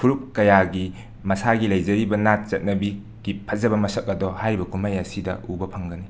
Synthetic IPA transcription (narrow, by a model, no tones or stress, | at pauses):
pʰuɾup̚kɐjaɡi | mɐsaɡilɐjzɐɾibɐnat̚zɐt̚nɐbi | ɡ̥ipʰɐzɐbɐmɐsɐk̚ɐdɔhaɾibɐkʰumajɐsidɐ̰ʔubɐpʰɐŋɡɐni